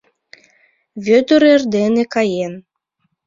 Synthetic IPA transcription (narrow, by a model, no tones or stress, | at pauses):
βʲøt̪øɾerd̪enekɑjen